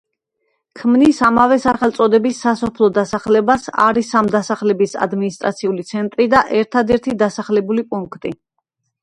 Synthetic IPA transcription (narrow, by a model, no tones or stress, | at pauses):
kʰmnisamavɛsaχɛlˠt̪sʼɔd̪ɛbisːasɔpʰlˠɔd̪asaχlɛbasa̰ɾisamd̪asaχlɛbisa̰d̪minist̪ʼɾat̪sʰiulit̪sʰɛnt̪ʼɾid̪aʔɛɾt̪ʰad̪ɛɾt̪ʰid̪asaχlɛbulipʼuŋkʰt̪ʼi